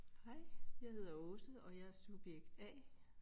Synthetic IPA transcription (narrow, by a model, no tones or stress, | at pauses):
hɑɪ̰jɑ̈ɪhe̝ð̞̰ˠɐɔ̽səɒ̽jæsub̥jeɡ̥d̥ɛ̰ː